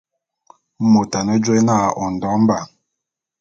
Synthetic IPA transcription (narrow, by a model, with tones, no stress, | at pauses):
mo˨ta˨nə˦d͡ʒe˦na˦˨ʔɔ˨n̩˨dɔ˨˦m˦ba˨